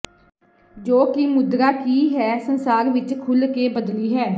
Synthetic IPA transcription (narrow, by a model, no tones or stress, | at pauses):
d͡ʒoːkimʊd̪ɾaːkiːɦɛːsənsaːɾʋɪt͡ʃkʰʊlkeːbəd̪liːɦɛː